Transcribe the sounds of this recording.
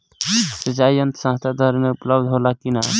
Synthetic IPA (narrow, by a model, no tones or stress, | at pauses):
sət͡ʃaiənt̪ə̥sãːt̪ʰad̪ʱəɾmeupləbd̪ʱɦolakina